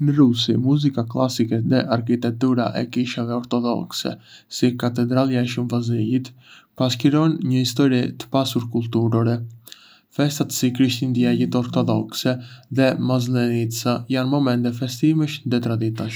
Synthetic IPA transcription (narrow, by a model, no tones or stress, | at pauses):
nəɾusimuzikaklˠa̰sikɛðɛʔaɾkit̪ɛk̚t̪uɾaʔɛ̰kiʃavɛɔɾt̪ɔðɔ̰ksɛ̰sikat̪ɛd̪ɾaljaɛʃumvazijit̪paskiɾɔnɲəhist̪ɔɾit̪ə̥pasuɾkulˠt̪uɾɔɾɛ | fɛst̪at̪sikɾiʃt̪ind̪iɛlit̪ɔɾt̪ɔðɔksɛðɛmazlɛnit̪sajanmɔmɛnt̪ɛfɛst̪iməʃnd̪ɛt̪ɾad̪it̪aʃ